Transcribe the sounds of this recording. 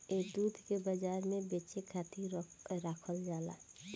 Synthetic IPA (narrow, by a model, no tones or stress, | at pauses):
eːd̪uːd̪ʱkebəd͡ʒaːɾmẽbeːt͡ʃekʰaːt̪iɾaːkʰəld͡ʒaːla̰ː